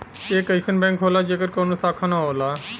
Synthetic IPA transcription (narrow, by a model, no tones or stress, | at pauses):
eːkəɪsənbɛ̃ːŋkɦoːlaːd͡ʒeːkəɾkoːnũːsaːkʰaːnãːɦoːlaː